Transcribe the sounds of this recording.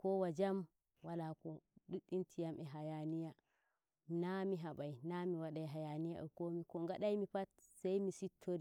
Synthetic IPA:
kɔwad͡ʒam | walakɔɗuɗintʰijamʔɛɦajanija | namiɦaɓajnamiwaɗajɦajanija̰ɛ̰komikɔŋɡaɗajmipatsajmisitʰːoɾi

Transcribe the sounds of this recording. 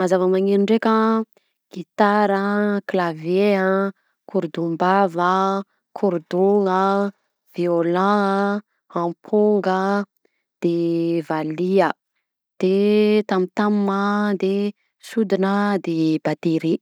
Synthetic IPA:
mazavəmaŋeɾiɳɖ͡ʐekə | ɡ̥it̪aɾəklaveə | kʰuɾd̪umbavə | kʰuɾd̪oŋə | v̥eolã | hãmpʰuŋɡə | d̪̥evaliə | d̪̥et̪amit̪amməd̪e | sud̪inəd̪ebat̪eɾi

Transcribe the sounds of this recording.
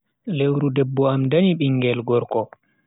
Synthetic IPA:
lewɾudɛbːɔamdaniɓiŋɡɛlɡɔɾkɔ

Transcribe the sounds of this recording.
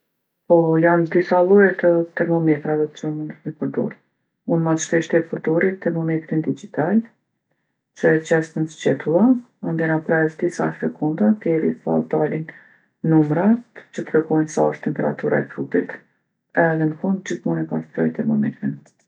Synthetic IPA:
pɔjand̪isalˠujɛt̪ət̪ɛɾmɔmɛt̪ɾavɛt͡ʃunmipəɾd̪ɔ̰ɾ | unmaʃt̪ɛʃt̪ɛpəɾd̪ɔɾit̪ɛɾmɔmɛk̪ɾind̪id͡ʒit̪al | t͡ʃət͡ʃɛst̪ənst͡ʃɛt̪ulˠa | and̪ɛnapɾɛsd̪isa̰fɛkʰund̪at̪ɛɾifa̰ld̪alin | nːumɾat̪t͡ɕət̪əpɛkɔjnsa̰əʃt̪t̪ɛmpɛɾa̰t̪uɾa̰ɛfɾutit̪ | ɛðɛnəkund̪̚d͡ʑitmunipast̪ɾɔjt̪ɛɾmɔmɛk̪ɾin

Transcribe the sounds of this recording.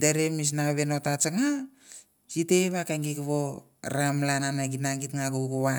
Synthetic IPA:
deɾemis̬naβenotat͡ʃaŋa | siteβakaŋɡikβo̰ | ɾamlananaɡinaŋɡitŋaɡoɡuβa

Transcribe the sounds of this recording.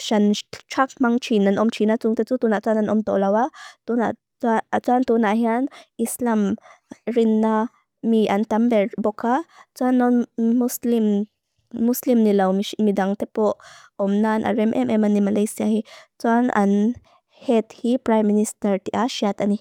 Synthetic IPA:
ʃant͡ʃʰak̚maŋt͡ʃʰinanʔɔmt͡ʃʰinat͡suŋt̪ɛt͡sut̪unaʔt͡sananɔmt̪ɔ̰ʔlawat̪una̰ʔ | t͡sat͡suant̪unaʔɦianislamɾinːa | miʔant̪ambɛbɔkʰat͡suanːɔnmuslim | muslimnilawmimid̪aŋt̪ɛpɔʔ | ɔmnanʔa̰ɾɛmʔɛmʔɛmanimalajsiahit͡suanʔa̰n | hɛt̪hipɾajmːinist̪ɐɾt̪iʔaʃiat̪ani

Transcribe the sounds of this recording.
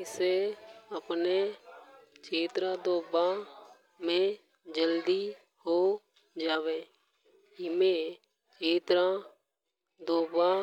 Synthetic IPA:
ɪseːəpneː | t͡ʃʰeːt̪ɾãːd̪oːbãː | mẽː | d͡ʒəld̪iː | hoː | d͡ʒaːʋeː | ɪmẽː | t͡ʃʰeːt̪ɾãː | d̪oːbãː

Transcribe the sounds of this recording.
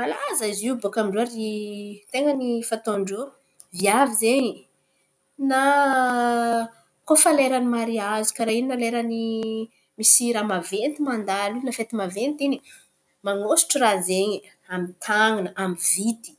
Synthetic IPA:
malazaziubokamiɳɖ͡ʐaɾit̪eŋənifat̪oɳɖ͡ʐu | viavizeɲi | na | kofaleɾanimaɾiazi̥kaɾaininaleɾani | misiɾamavent̪imand̪alinafet̪imavent̪ini | maŋosi̥ʈ͡ʂrazeɲi | amit̪ʰaŋinəʔamivit̪i̥

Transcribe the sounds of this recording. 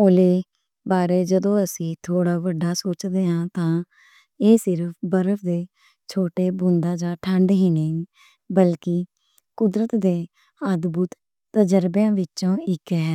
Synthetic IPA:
oːleː | baːɾeːd͡ʒəd̪õːəsĩːt̪ʰoːɽaːʋəɖːaːsoːt͡ʃd̪eːɦãːt̪ãː | eːsɪɾəpʰbəɾəfʰd̪eː | t͡ʃʰoːʈeːbʊ̃nd̪ãːd͡ʒãːʈʰə̃ɳɖɦĩːnẽː | bəlkɪ | kʊd̪ɾət̪d̪eː | əd̪buːt̪ | t̪ːəd͡ʒəɾbjãːʋɪt͡ʃõːɪkːɦɛː

